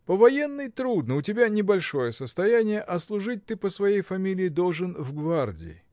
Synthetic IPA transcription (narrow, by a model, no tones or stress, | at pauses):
pəvɐjenːɨjt̪ɾud̪nəʊtʲɪbʲanʲɪbɐlʲʂo̞jəsəst̪ɐjænʲɪjəʔɐslˠʊʐɨt̚ʲt̪ɨpəsvɐjejfɐmʲilʲɪːd̪olˠʐɨnvɡvardʲɪ̰ɪ̰